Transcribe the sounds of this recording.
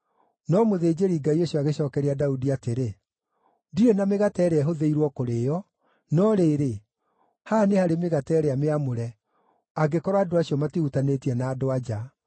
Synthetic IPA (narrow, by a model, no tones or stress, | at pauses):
nɔmoðeːd͡ʑeɾiːɡaioɕɔaɣeɕɔːkɛɾeadaudiateɾe | diɾenameɣatɛɾeɛɦoðeiɾwɔkoɾejɔ | nɔɾeɾe | hanehaɾemeɣatɛːɾɛameamoɾɛ | aɡekɔɾwadoaɕiɔmatihutanetiɛnaːdoad͡ʒa